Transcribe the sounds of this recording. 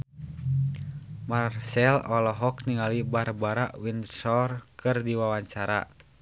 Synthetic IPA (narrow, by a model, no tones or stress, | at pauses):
marsɛlɔlɔɦɔkniŋalibarbaɾaʔwindsɔrkɨrdiwawaɲt͡ʃaɾa̰